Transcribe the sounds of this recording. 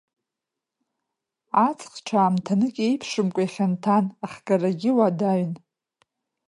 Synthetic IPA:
at͡sʼχʈ͡ʂʰaːmtʰanɨkʲʼe̞jpʰʂɨmkʷʼajχʲantʰanaχʲɡʼaraɡʲɪwadaɥn

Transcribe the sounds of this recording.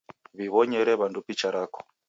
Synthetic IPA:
βiβɔɲɛɾɛβandupit͡ʃaɾaːkɔ̥

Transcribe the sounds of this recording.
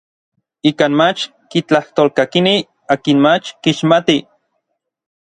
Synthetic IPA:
iːkaːnmat͡ʃ | kit͡ɬaht̪oːlkakini | aːkinmat͡ʃkiʃmat̪i

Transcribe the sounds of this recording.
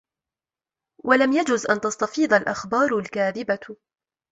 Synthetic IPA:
walamjad͡ʒʊzʔant̪ɑst̪ɑfiːd̪ˤalʔaxbɑːɾˤlkaːðɪba

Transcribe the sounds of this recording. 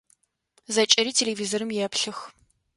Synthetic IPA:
zɐt͡ʃʼɐɾiːtʰelevizoɾɨmjɛpɬɨx

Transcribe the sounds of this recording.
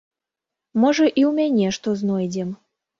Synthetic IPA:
mɤʒə̆ʔiumʲenʲeʃt̪oznojdʲem

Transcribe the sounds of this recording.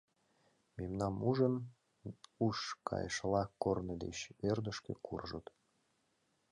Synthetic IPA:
memnɑmuʒən | uʃkʰɑ̰jəʃlɑkornəd̪ḛɕørd̪əʃkekurʒət̪

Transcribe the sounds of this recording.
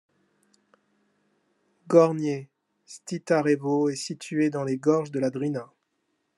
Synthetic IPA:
ɡɔʁnje | st̪it̪aʁevoɛsit̪ʰyed̪ɑ̃leɡɔʁʒd̪əlad̪ʁina

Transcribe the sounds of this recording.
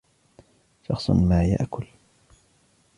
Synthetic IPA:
ʃɑxsˤʊ̰nmaːja̰ʔkʊl

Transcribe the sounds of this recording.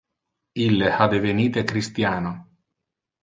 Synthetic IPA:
ilːehad̪eveniːt̪ekɾist̪jaːno

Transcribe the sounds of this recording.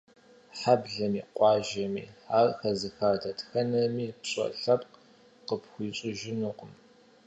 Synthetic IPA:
ħabɮɐmiːqʷʼɑːʒɐmḭːħaːrxɐzɨxaːrdʰɐtʰxɐnɐmiːpɕʼɐ̰ɬɐpq | qəpxʷiːɕʼɪʒɪnuqʷʊm

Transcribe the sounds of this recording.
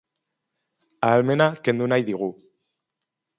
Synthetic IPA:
aːlmenakend̪unajðiɣu

